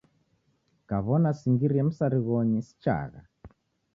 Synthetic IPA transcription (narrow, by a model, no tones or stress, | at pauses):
kaβɔnasiŋɡiɾiɛm̩saɾiɣɔɲisi̥t͡ʃa̰ɣa̰